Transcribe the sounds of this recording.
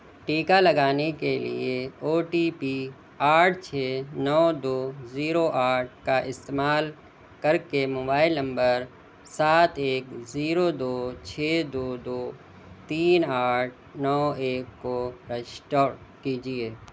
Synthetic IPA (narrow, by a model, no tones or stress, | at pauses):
ʈiːkalɐɡaːnekelḭeoːʈiːpi | aːʈʰt͡ʃʰeːnɔːd̪oːziːɾoʔaːʈ̚ʰkaʔɪst̪eːmaːl | kɐɾkemoːbaːɪlnɐ̃mbəɾ | saːt̪eːkziːɾod̪oːt͡ʃʰeːd̪oːd̪oː | t̪iːnaːʈ̚ʰnɔːeːkːoɾɛʃʈɔːkiːd͡ʒieː